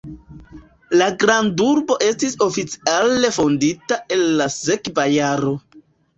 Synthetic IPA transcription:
laɡɾanduɾbo̞ʔe̞stiso̞fit͡si̥ale̞fo̞nditaʔe̞lːasekvajaɾo̞

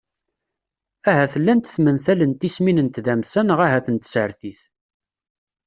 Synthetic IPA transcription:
æɦæθəlːænt̪θmənθælənt̪ːisminənt̪ðæmsænəʁæɦæθənt̪ə̥sʕəɾθiθ

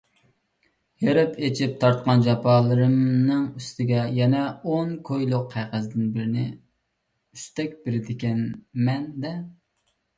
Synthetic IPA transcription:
jeɾɪpʰet͡ʃʰip̚t̪ʰɑɾt̪̚qɑnd͡ʒɑpʰɑːlˠɨɾɨmnɨŋyst̪ʰɪɡʲɛjɛnɛonkʰojlˠʊqʰːæqɨzd̪ɪnbɪɾɪnɪ | yst̪ɛk̚ʲbɪɾɪd̪ɪkʲɛnmɛnd̪ɛ

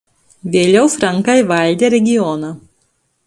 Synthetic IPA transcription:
ʋʲeːlʲɛʊfɾɐŋkɑɪʋɐˑlʲd̪ʲeːɾʲɛɡʲɪjɔnɐː

